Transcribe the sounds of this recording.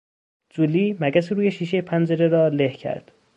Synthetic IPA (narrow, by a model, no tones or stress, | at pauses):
d͡ʒuliːmæɡæseɾuːjeʃiːʃejepʰænd͡ʒeɾeɾɒːlehcʰæ̰ɾd̪̥